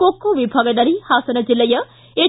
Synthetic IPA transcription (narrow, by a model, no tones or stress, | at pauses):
oːkːoʋibʱɐɡənɐɾihaːsɐnɐd͡ʒɪlːɐjə | e